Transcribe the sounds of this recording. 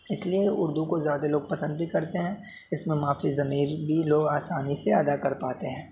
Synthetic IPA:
ɪslieʊɾd̪ukozjaːd̪aloːɡ̚pɐsə̃nd̪̚bʱikɐɾt̪eɦɛ̃ː | ɪsmẽmaːfizɐmiːɾbʱiloːɡaːsaːniseɐd̪akɐɾpaːt̪eɦɛ̃ː

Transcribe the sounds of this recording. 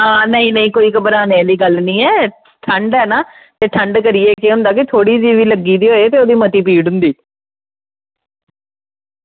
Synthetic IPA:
ɦãːnəĩːnəĩːkoːiːkəbəɾaːneliːɡəlnĩːɛː | ʈʰəɳɖɛːnaː | t̪eːʈʰəɳɖkəɾieːkeɦʊ̃nd̪aːkɪt̪ʰoːɽiːd͡ʒiːʋiːləɡːiːd̪iːɦoːet̪eːoːd̪iːmət̪iːp̬iːɖʊ̃nd̪iː

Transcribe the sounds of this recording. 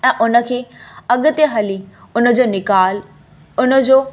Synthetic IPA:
ɛ̃ːʔʊnə̆kʰeːɐɠʊ̆t̪eɦɐliʊnə̆d͡ʑoːnɪkaːl | ʊnə̆d͡ʑoː

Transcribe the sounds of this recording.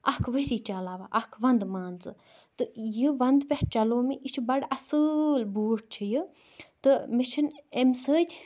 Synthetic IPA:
ɐhkʰʋəɾiːt͡ʃaːlaːʋa̰ːʔɐhkʰʋɐnd̪maːnt͡sɨ̰ | t̪ɨjiʋɐnd̪pʲɐʈ̚t͡ʃɐloːmiʔit͡ʃʰubɐɽɐsɨlbuːʈ̚t͡ʃʰijɨ | t̪ɨmɪʃʰɐnemsəːt̪ʲʰ

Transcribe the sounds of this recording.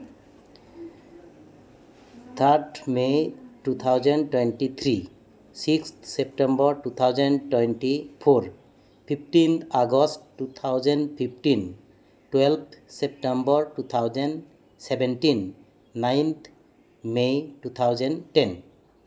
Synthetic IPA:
t̪ʰaɹtʰmetut̪ʰawzɔntwɛnʈit̪ʰɹi | sikst̪ʰsep̚ʈɛ̃mbɔɹtut̪ʰawzɔntwenʈipʰoɹ | pʰipʰʈint̪ʰaɡɔstːut̪ʰawzɔnpʰipʰʈin | twɛlpʰsɛp̚ʈɛmbɔɹtut̪ʰawzɔn | sɛbɛnʈinː | ajnt̪ʰ | mejtut̪ʰawzɔntɛn

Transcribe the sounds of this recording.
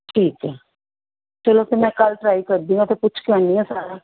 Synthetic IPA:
ʈʰiːkɛː | t͡ʃəloːɡ̚t̪omɛ̃ːkɐlʈɾaːikəɾd̪ĩɡat̪opʊt͡ʃʰkeãniɛ̃saːɾaː

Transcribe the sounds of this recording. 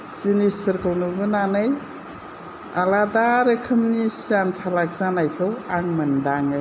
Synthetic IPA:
z̥inispʰɯɾkʰɯwnubɯnanɯj | a̰ladaɾɯkʰɯmnisiansʰalak̚zanajkʰɯwaŋmɐndaŋɯj

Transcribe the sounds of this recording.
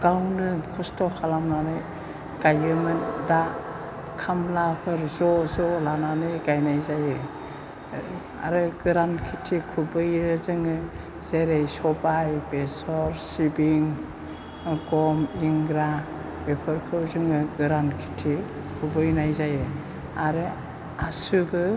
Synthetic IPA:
ɡ̥awnɯkʰɔstɔkʰalamnanɯj | ɡajɯmɯnda | kʰamlapʰɯɾzɔzɔlananɯjɡajnajzajɯ | a̰ɾɯɡɯɾankʰitʰikʰubɯjɯzɯŋɯ | zeɾejsɔbajbesɔɾsibiŋ | ɡɔmiŋɡɾa | bepʰɯɾkʰɯwzɯŋɯɡɯɾankʰi̥tʰi | kʰubɯjnajzajɯ | aɾɯ | asuɡɯ

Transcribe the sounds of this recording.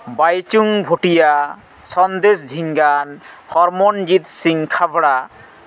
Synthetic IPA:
bajt͡ɕuŋbʱoʈija | sɔnd̪esd͡ʑʱiŋɡanhɔɾmond͡ʑit̪siŋkʰabɽa

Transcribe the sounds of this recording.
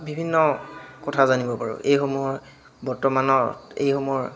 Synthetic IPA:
bʱibʱinːɔkɔtʰazanibɔpaɹṵejxɔmɔjɔɹ | bɔɹtɔmanɔḛjxɔmɹ

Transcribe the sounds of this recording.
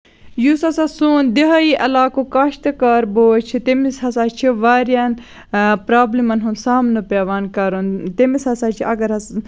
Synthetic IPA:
jusɐsaːsuːnd̪iɦɐjiʔɐlaːkoːkɐʃt̪ɨkaːɾboːt͡ʃʰit̪emishɐsaːt͡ʃʰiʋaːɾjaːn | pɾaːblimɐnɦunsaːmnɨpeːʋaːnkɐɾunt̪emishɐsaːt͡ʃʰiɐɡɐɾɐs

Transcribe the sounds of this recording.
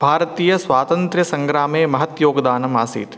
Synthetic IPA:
bʱaːɾɐt̪iːjɐsʋaːt̪ɐnt̪ɾjɐsɐ̃ŋɡɾaːmeːmɐɦɐt̪joːɡd̪aːnɐmaːsḭːt̪

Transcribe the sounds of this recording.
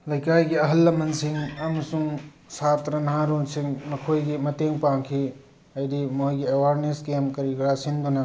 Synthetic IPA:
lɐjkaːjɡiɐɦɐlːɐmɐnsiŋɐmsũ | saːt̪ɾɐnãːɾõːnsiŋnɐkʰoːjɡimɐt̪ẽːŋpãːkʰi | ɐjdimoːɡiɐwaːɾneːskeːmkɐɾikɾaːsind̪una

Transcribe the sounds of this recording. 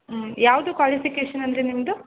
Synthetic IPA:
jaːʋɐd̪ukʋaːlifikeːʃɐnɐnd̪ɐɾenimɐd̪u

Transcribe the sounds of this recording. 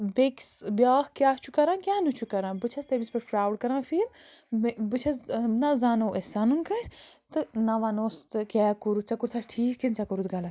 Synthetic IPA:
beksbjaːhkʲjaːt͡ʃʰukɐɾãːnkʲjaːnut͡ʃʰukɐɾãːbɨt͡ʃʰɐst̪ebispɨʈpɾaːwɖkɐɾãːfiːl | bɨt͡ʃʰɐsnɐzaːnoːʔesaːnunkɐsʲt̪ɨnɐʋɐnoːst̪ɨkʲɛːkuɾut͡sɐkuɾt̪ʰaʈʰiːkʰːint͡sɐkuɾut̪ɡɐlɐt̪

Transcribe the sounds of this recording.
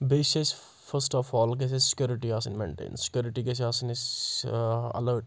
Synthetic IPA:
beːʃes | fəɾsʈɔːfɔːlk̬es̬ezsɪ̥kjuːɾɪʈiaːsənmḛ̃ːɳʈḛ̃ːnsɪ̥kjoːɾɪʈikesaːsɐnɪz | ɐ̰ləːʈ

